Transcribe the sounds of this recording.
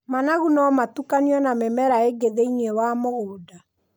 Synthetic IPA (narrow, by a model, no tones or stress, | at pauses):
manaɣunɔmatukaniɔnamɛmɛɾaeɡeðeinewamoɣoːda